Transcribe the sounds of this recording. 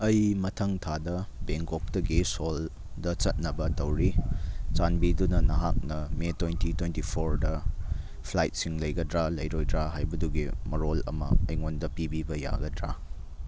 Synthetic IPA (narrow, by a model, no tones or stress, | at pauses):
ɐjmɐtʰɐŋtʰadɐbeŋkok̚tɐɡisol | dɐt͡ʃɐt̚nɐbɐtɐwɾit͡ʃanbidunɐnɐɦak̚nɐmetwentitwentipʰoɾdɐ | pʰlajt̚siŋlɐjɡɐdɾalɐjɾojdɾaɦajbɐduɡimɐɾolɐ̰mɐ̰ɐjŋondɐpibibɐja̰ɡɐdɾa